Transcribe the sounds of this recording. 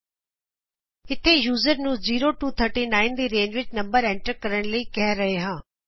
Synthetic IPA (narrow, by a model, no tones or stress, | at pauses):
ɪt̪ʰejuːzəɾnũːziːɾoʈuːt̪ʰəɾʈinãːɪ̃nd̪iːɾẽːɲd͡ʑʋɪt͡ɕnɐ̃mbəɾɛ̃ːɳʈəɾkɐɾəɽ̃liːkɐɦɾːɐɦeɦãː